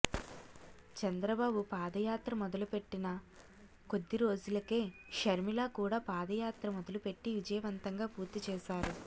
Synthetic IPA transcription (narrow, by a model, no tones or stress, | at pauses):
t͡ʃɐnd̪ɾɐbaːbupaːd̪ɐjaːt̪ɾɐmɔd̪ɐlupe̞ʈːinɐ | ko̞d̪ːiɾo̞ːd͡ʒulɐke̞ːʃɐɾmilaːkuːɽaːpaːd̪ɐjaːt̪ɾɐmɔd̪ɐlupe̞ʈːiʋid͡ʒɐjɐʋɐnt̪ɐŋɡaːpuːɾt̪it͡ʃɛːʃaːɾu